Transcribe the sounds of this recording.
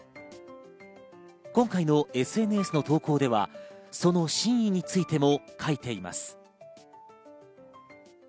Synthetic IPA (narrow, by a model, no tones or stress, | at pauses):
kõ̞ŋkainoe̞sɨe̞nɯesɨno̞t̪o̞ːko̞ːd̪e̞βa̰so̞no̞ɕĩɰ̃iɲ̟it͡sɨit̪e̞mo̞kʰait̪e̞ima̰sɨ̥